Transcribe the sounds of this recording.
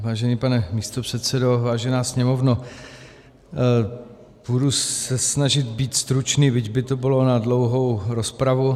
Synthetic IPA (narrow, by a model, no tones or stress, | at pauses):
vaːʒɛnipanɛmiːst̪opr̝̥ɛt̪sɛdo̞vaːʒɛnaːsɲɛmo̞vno | b̥udusɛsnaʒɪt̪̚biːt̪st̪ɾut͡ʃniːvɪɟbɪt̪obɪlo̞nadlo̞wɦo̞wɾospɾavu